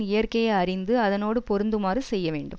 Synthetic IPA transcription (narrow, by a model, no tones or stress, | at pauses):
ɪjɐrkɐjɐɐrɪnd̪ɯɐðɐnoːɽɯpɔɾɯnd̪ɯmaːrisɛjːɐʋḛːɳɖɯm